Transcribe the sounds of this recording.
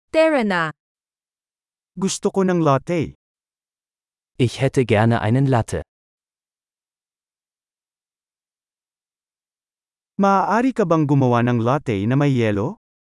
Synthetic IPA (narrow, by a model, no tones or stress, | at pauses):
t̪ɛɹɐna | ɡʊst̪okonɐŋlaːt̪ɛj | ʔɪçhɛt̪ʰəɡɛɐnə̰ʔa̰ɪnənlat̪ʰə̰ | mɐʔaːʔaːɾikɐbɐŋɡʊmɐwanɐŋlat̪ɛjnɐmɐjːɛːlo